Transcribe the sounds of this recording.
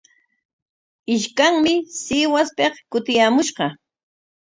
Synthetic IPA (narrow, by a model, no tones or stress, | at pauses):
ɪʃkaŋmɪsɪwaspeχkʊt̪ɪjaːmʊʃɢɑ